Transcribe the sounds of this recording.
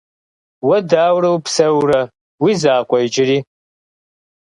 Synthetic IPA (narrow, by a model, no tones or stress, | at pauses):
wɐdaːwɾɐwpsɐwrɐ | wizaːkʷʼɔjd͡ʒɪɾiː